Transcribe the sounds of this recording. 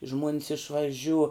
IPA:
ʒmuɔnʲs ɪʃʋɐˈʒʲuː

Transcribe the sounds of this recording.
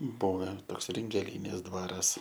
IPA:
ˈbʊʋʲɛ ˈtoːks rʲɪŋʲɡʲɛˈlʲiːnʲeːs ˈdʋɑːrɐs

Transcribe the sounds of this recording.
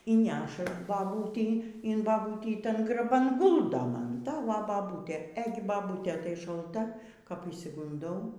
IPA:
iː ˈnʲæːʃɐ bɐˈbuːtʲɛɪ ɪn bɐˈbuːtʲiː ˈtɐn ɡrɐˈbɐn ˈɡʊlˠdoː ˈmɐn ˈtɐ ʋɐ bɐˈbuːtʲeː ˈeːɡʲɪ bɐˈbuːtʲeː tɐɪ ʃɐlˠˈtɐ kɐp ɪʃʲsʲɪɡʊnˈdɐʊ

